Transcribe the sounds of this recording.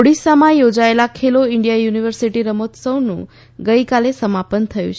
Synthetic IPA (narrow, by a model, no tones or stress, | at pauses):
oɽisamãjod͡ʒaelakʰeloɪɳɖijajuniʋəɾsiʈiɾəmot̪səwnṵ̃ | ɡəjkalesəmapənt̪ʰəjṵ̃t͡ʃʰ